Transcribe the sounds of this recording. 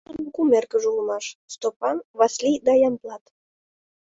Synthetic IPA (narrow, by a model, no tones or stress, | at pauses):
ɑnkumerkə̆ʒulmɑʃst̪opɑnβɑslʲid̪ɑjɑmplˠɑt̪